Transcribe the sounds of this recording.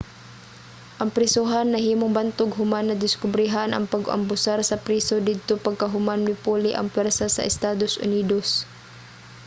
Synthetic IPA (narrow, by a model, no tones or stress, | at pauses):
ʔɐŋpɾɪsuɦanːɐɦiːmoŋbant̪oɡɦʊmanːɐd̪ɪskʊbɾɪɦanʔɐ̰ŋpɐɡʔɐ̰mbʊsaɾsɐpɾiːsod̪id̪̚t̪opɐɡ̚kɐɦʊmanmɪpuːlɪʔɐ̰ŋpwɛɾsasɐ̰ʔɪst̪aːd̪osʔʊ̰niːd̪os